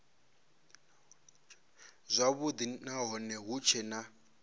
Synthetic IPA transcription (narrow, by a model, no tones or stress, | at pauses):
zʷaβud̪inaɦɔnɛɦut͡ʃʰɛna